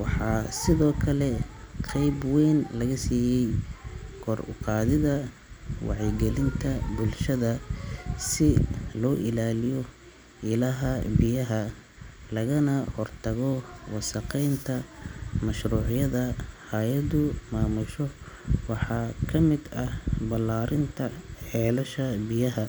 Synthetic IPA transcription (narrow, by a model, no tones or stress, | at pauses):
wɑħɑːsɪðɔːkʰɐlɛqɛjbwɛjnlɐɣɐsiːjɛjkʰɔrʊ̰qɑːðɪðɐ | wɑ̰ʕiɡɛlɪnt̪ʰɐbʊlʃɐðɐ | sɪlɔːʔɪlaːlɪjɔ | ɪlɐɦɐbɪjɐɦɐ | lɐɣɐnɐhɔrt̪ʰɐɣɔwɑsɐqɛjnt̪ʰɐmɐʃruːʕɪjɐðɐhaːjɐd̪ʊmaːmʊʃɔwɑħɑːkʰɐmɪd̪ɐhbɐlːaːɾɪnt̪ʰɐħɛːlɐʃɐbɪjɐɦɐ